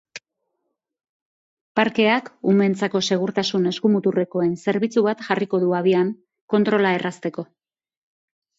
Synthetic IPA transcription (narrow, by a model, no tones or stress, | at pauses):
paɾke̞akume̞nt͡sako̞se̞ɣ̞uɾt̪asune̞skumut̪ure̞ko̞e̞nse̞ɾβit͡suβat̪ʝariko̞ðuaβ̞iaŋ | ko̞nt̪ɾo̞lae̞rast̪e̞ko̞